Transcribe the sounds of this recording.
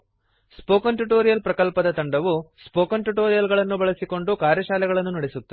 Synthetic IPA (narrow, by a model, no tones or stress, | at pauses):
spoːkɐnʈuʈoːɾijɐlpɾɐkɐlpɐd̪ɐt̪ɐɳɖɐʋuspoːkɐnʈuʈoːɾijɐlɡɐɭɐnːubɐɭɐsiko̞ɳɖukaːɾjɐʃaːlɛɡɐɭɐnːunɐɽesut̪ːɐ